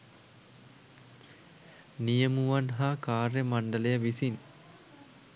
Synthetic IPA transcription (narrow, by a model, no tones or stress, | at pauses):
nijəmuʋanɦakaːrjəmaɳɖəlejəʋisin